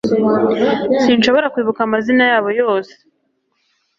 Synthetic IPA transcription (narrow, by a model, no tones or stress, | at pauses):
sinʃo̞βo̞ɾakwiːβukamazinajaːβo̞jo̞ːse̥